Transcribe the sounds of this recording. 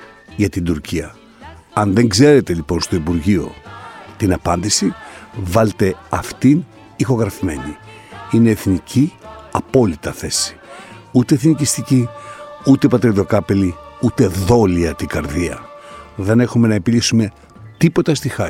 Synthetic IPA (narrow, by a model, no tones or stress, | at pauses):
ʝɐt̪ind̪uɾciɐ | ɐnðe̞ŋɡze̞ɾe̞t̪e̞ʎipo̞nst̪o̞ipuɾʝio̞̰t̪inɐpɐnd̪isivɐlt̪e̞ɐft̪in | ixo̞ɣɾɐfime̞̰ɲi | ine̞ːθnicʰiɐpo̞lit̪ɐθe̞si̥ | ut̪eːθnicist̪iciut̪e̞pɐt̪ɾiðo̞kɐpeliut̪e̞ðo̞liɐt̪iɡɐɾðiɐðe̞ne̞xume̞nɐepilisume̞ | t̪ipo̞t̪ɐst̪ixɐ